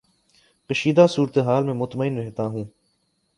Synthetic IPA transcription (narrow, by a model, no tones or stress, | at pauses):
kəʃiːd̪aːsuːɾt̪eɦaːlmẽmʊt̪məɪnɾɛɦt̪aːɦũː